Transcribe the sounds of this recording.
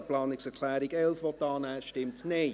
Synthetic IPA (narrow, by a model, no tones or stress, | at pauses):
plɑːnɪksəkʰlæːɾɪkɛlˠfvɔt̚dɑːnaːʃtɪmtne